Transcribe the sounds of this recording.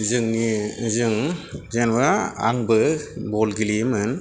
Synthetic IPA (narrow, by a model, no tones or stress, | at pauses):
zɯŋnizɯŋzenbaa̰ŋbɯbɔlɡilimɯn